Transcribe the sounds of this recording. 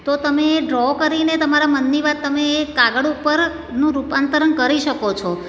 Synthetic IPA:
t̪ot̪əmeːɖɾɔkəɾinet̪əmaɾamənːiʋat̪ːəmeːkaɡəɽupəɾ | nũɾupant̪əɾənkəɾiʃəkot͡ʃʰɔ

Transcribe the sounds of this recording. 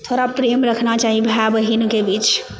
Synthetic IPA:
t̪ʰoɾapɾemɾəkʰnat͡ʃaɦibʱabəɦinkebit͡ʃ

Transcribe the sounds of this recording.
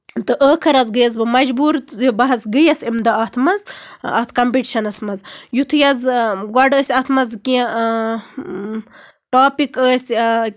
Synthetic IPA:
t̪ɨʔəːkʰɐɾɐzɡɨjɐzbɨmɐd͡ʒbuːɾzibɐɦɐsɡɨjɐsimd̪ɐɐt̪ʰmɐzɐ̰t̪ʰkɐmpiʈiʃɐnɐsmɐzjut̪ʰɨjɐzɡwɐɖəːsʲɐt̪ʰmɐzkĩ | ʈaːpikəːsʲ

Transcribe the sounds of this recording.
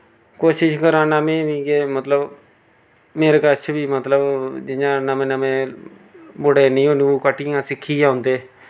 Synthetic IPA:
koːʃɪʃkəɾãːnaːmẽːbiːɡeːmət̪ləb | meːɾekət͡ʃʰbiːmət̪ləbd͡ʒɪjãːnəmẽːnəmẽː | bʊɽeːnĩːõːniːoːkəʈːijãːsɪkʰːiːãːʊnd̪eː

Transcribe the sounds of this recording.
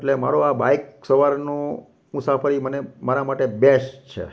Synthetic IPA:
ʈlema̰ɾoabajksəʋaɾnõ | mʊsafəɾimənemaɾamaʈebest͡ʃʰḛ

